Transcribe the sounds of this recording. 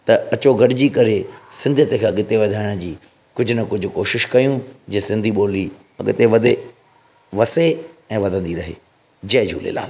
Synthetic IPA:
t̪ɐɐt͡ɕoɡʱɐɖɪd͡ʑikɐɾesɪ̃nd̪ʱət̪ekʰãɠɪt̪eʋɐd̪ʱaːɪɽ̃d͡ʑiː | kʊd͡ʑʱʊnɐkʊd͡ʑʱʊ̆koːʃɪʃkɐjũd͡ʑeːsɪ̃nd̪ʱiɓoːli | ɐɠɪt̪eʋɐd̪ʱe | ʋɐseɛ̃ːʋɐd̪ʱə̃nd̪iɾɐɦḛː | d͡ʑɐɦd͡ʑṵːlḛːla̰ːn

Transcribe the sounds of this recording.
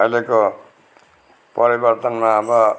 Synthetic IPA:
ʌjleko | pʌɾibʌrt̪ʌnmaʌbʌ

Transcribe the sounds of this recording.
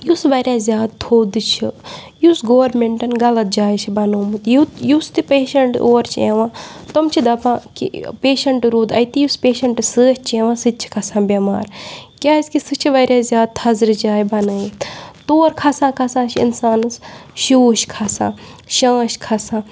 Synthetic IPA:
jusʋɐɾʲaːzʲjaːd̪̚t̪ʰoːd̪ɨt͡ʃʰi | jusɡoːʋɐɾmeɳʈɐnɡɐlɐt̪̚d͡ʒaːjt͡ʃʰibɐnoːmɨt̪ijujust̪ipeːʃɐɳʈoːɾt͡ʃʰeʋãːt̪omt͡ʃʰid̪ɐpãːkḭpeːʃɐɳʈɾuːd̪ɐjt̪ijuspeːʃɐɳʈɨsəːht͡ʃʰẽʋãːsɨt͡ʃʰi̥kʰɐsãːbʲɐma̰ːɾkʲaːiskisɨt͡ʃʰiʋɐɾʲjaːzʲjaːd̪̚t̪ʰɐzɾd͡ʒaːjibɐnɨːjt̪ʰt̪oːɾkʰɐsãːkʰɐsãːt͡ʃʰiḭnsaːnsʃuːʃkʰasã̰ːʃaːʃkʰɐsãː

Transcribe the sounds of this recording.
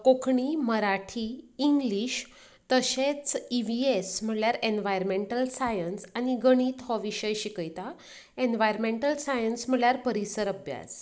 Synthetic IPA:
kokʰɳiməɾaʈʰiːŋɡliɕ | t̪əɕet͡siʋiesm̤əɽljaɾenʋajɾmeɳʈəlsajənsañiɡəɽ̃iːt̪ɦɔʋiɕəjɕikəjt̪a | enʋajɾmeɳʈəlsajənsm̤əɭjaɾpəɾisəɾəbja̰d͡z

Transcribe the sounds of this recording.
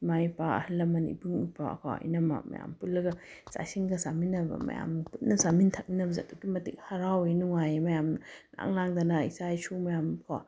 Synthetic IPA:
majpaɐ̰hilːɐmɐnḭbɯŋujpaɐ̰kʰaɐ̰jnɐma̰mɐ̰ja̰mpulːɐɡɐsa̰siŋɡɐsaminɐbɐ̰mɐ̰ja̰mnput̚nɐsamintʰɐk̚ninɐbɐziɐduɡimɐtik̚hɐɾawenuŋajemɐjamna̰ŋlaŋd̪anaisajsumɐjamkʰa̰

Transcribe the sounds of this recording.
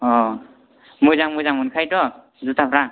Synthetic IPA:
ɔ | mujzaŋmujzaŋunkʰajdɔ | zutapɾaŋ

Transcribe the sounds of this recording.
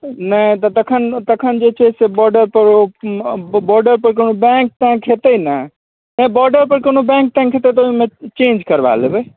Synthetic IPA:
nəĩt̪ɔt̪ɐkʰənt̪ɐkʰənd͡ʒet͡ʃʰɛsebɔːɾɖəɾpəɾo | bɔːɾɖəɾpəɾkonobɛ̃ŋk̚t̪ãkʰet̪əinə | nəbɔɾɖəɾpəɾkonobɛ̃ŋk̚t̪ãkʰet̪et̪ɔuɦimẽt͡ʃẽːnd͡ʒkəɾba̰lebe

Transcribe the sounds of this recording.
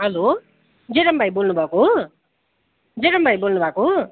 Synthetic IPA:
ɦʌlo | d͡zeɾʌmbʱajbolnubʱʌko | d͡zeɾʌmbʱajbolnubʱako

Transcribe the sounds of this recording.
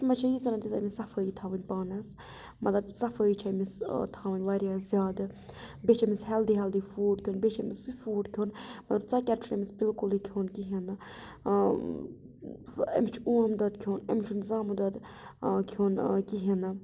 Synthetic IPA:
mɐt͡ʃʰɐjizɐnɐd̪iza̰misɐfəːit̪ʰaːʋənʲpaːnɐs | mɐt̪lɐbsɐfəːjt͡ʃʰamist̪ʰaːʋənʲʋaɾʲjaːzʲjaːd̪ɨ | bet͡ʃʰemisɦɛld̪iɦɛld̪iːfuːɖkʰʲoːnbet͡ʃʰemisɨfuːɖkʲʰoːnmɐt̪lɐb̚t͡sɐkʲɛɾt͡ʃʰunemisbilkulikʰoːnkiɦinɨ | ḛmit͡ʃʰuuamd̪ɐd̪kʲʰoːnḛmʲt͡ʃʰunzaːmɨd̪ɐd̪ | kʰoːnkiɦinɨ

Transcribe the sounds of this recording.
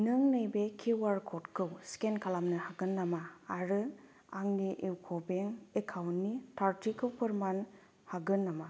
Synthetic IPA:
nɯŋnɯjbekʰiwaɾkʰɔtkʰɯwskenkʰalamnɯhaɡɯnːamaːɾɯ | aŋniʔewkʰobeŋekʰawnːitʰaɾtikʰɯwpɐɾman | haɡɯnːama

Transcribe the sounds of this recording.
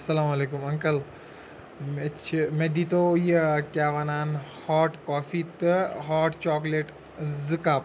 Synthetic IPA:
sɐlaːmɐleːkumɐ̃ŋkəl | met͡ʃʰimẽːd̪iːt̪ojekjaːʋanaːnhaːʈkɔːfit̪ɦaːʈt͡ʃɔːkleːʈ | zɨkaːp

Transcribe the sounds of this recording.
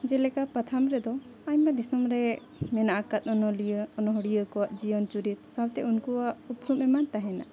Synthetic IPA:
d͡ʒɛlɛkapat̪ʰamɾɛd̪ɔ | aɲmad̪isɔmɾɛ | mɛnaʔakat̪̚ɔnɔlijəɔnɔɦɔɽijəkɔwaʔd͡ʒijɔnt͡ʃuɾit̪̚sawt̪ɛunkuwaʔupɾumɛmant̪aɦɛna̰ʔ

